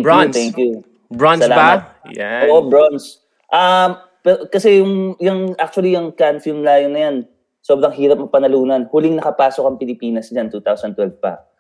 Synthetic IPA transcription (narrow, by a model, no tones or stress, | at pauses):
st̪ɛŋkju | bɹɔnsɐlaːamɐ | jɛʔoːʔobɹons | ʔɐm | pɛɾokɐsɛjʊŋjɐŋʔak̚t͡ʃʊɐlijɐŋkanfilmlaːjonɐjan | soːbɾɐŋɦiːɾɐp̚mɐpːɐnɐluːnɐnhʊlɪŋnɐkɐpaːsokɐŋpɪlɪpiːnɐsd͡ʒɐnt̪uːt̪awsɐnt̪wɛlvpɐ̰